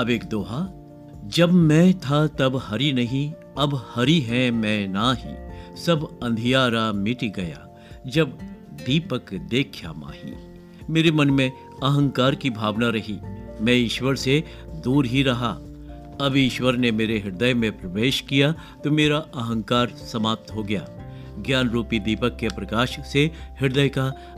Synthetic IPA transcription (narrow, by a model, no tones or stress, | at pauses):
ɐbeːkd̪oːɦaː | d͡ʒɐbmɛ̃t̪ʰat̪ɐbhɐɾinɐɦĩ | ɐbhɐɾiɦɛ̃mɛ̃ːnaɦḭ̃sɐbɐ̃nd̪ʱijaːɾamɪʈiɡɐja̰ː | d͡ʒɐbd̪iːpəkd̪eːkʰja̰ma̰ːɦḭ | meːɾemɐnmẽ | ɐɦə̃ŋkaːɾkibʱaːʋnaɾɐɦimɛ̃ɪʃwəɾse | d̪uːɾɦiɾɐɦa̰ | ɐbʱɪʃwəɾnemeːɾeɦɪɾd̪əjmẽpɾɐʋeːʃkija | t̪omeːɾaɐɦə̃ŋkaːɾsɐmaːp̚t̪ɦoɡɐja̰ː | ɡjaːnɾuːpid̪iːpəkːepɾɐkaːʃsehɪɾd̪əjka